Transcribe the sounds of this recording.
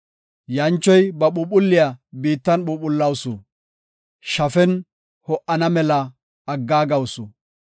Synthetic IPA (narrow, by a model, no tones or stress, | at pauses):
jɐnt͡ʃːɔjbɐɓʊɓʊlːɪjabiːt̪ːɐnɓʊpʊlːɐwsʊ | ʃɐfɛn | hɔʔɐnɐmɛlɐː | ɡːaːɡɐwsʊ